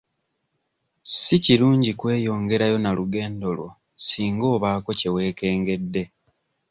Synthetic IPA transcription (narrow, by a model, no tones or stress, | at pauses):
siciɾuːɲɟikwe̞ːjo̞ːŋɡe̞ɾajo̞naluɡe̞ːndo̞lwo̰ | siːŋɡo̞ːβaːko̞ce̞we̞ːke̞ːŋɡe̞dːe̞